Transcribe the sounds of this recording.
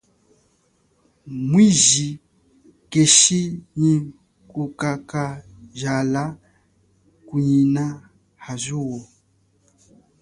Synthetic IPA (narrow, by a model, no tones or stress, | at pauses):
mwizi | keʃiɲi | kukaka | ʒala | kuɲina | hazuwɔ